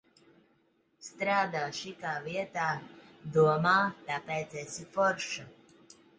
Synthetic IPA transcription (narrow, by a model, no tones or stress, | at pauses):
st̪ɾaːd̪aːʃikaːviɛt̪aːd̪uɔmaːt̪apɛjt̪sɛsifɔɾʃa